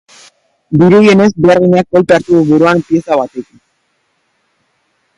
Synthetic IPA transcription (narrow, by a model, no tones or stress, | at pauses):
biɾuje̞ne̞zbe̞aɾɣiɲak̚bo̞lpeaɾt̪uɣuβeɾuanpie̞saβat̪e̞kin